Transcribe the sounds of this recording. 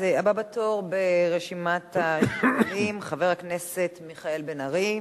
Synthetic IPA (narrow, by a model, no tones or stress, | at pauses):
eababatoʁbeʁeʃimat̪aʃlimχaveʁhaknesetmiχae̞lbenaʁi